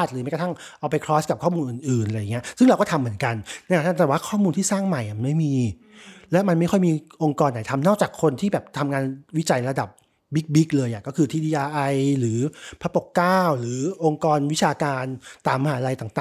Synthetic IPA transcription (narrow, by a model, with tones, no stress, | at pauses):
t̪̚ɯː˨˦a˥˩ka˧t̪ʰa˥˩ŋ | ʔaː˧wpa˧jkʰɾɔː˦˥t̚ka˨˩p̚kʰɔː˥˩muː˧nʔɯː˨˩nʔɯː˨˩nʔa˧ja˨˩ŋːi˦˥ɐsɯ˥ŋɾa˧wkɔː˥˩t̪ʰa˧mːɯ˩˦ə˦nka˧nnɛ˥˧ka˨˩t̪ʰːɛː˨˩waː˥˩kʰɔː˥˩muː˧nt̪ʰiː˥˩saː˥˩ŋma˨˩jʔa˨˩ma˧nma˥˩miː˧ | lɛ˨˦˥ma˧nma˥˩jkʰɔ˥˩jmiː˧ʔo˧ŋkɔː˧nːa˨˩˦jt̪ʰa˧mnɔː˥˩k̚t͡ɕaː˨˩kʰːo˧nt̪ʰiː˥˩bɛː˨˩p̚t̪ʰa˧mŋaː˧nwi˦˥t͡ɕa˧jɾa˧da˨˩p̚ | bi˦˥k̚bi˦˥k̚lɤː˧jʔa˨˩kɔː˥˩kʰɯː˧t̪ʰiː˧diː˧ʔaː˧ʔa˧jɾɯː˩˦pʰa˦˥po˨˩kːaː˥˩wɾɯː˩˦ʔo˧ŋkɔː˧nwt͡ɕʰaː˧kaː˧nt̪aː˨˩mːa˧ɦaː˩˦˥ɾa˧jt̪a˨˩ŋt̪aː˨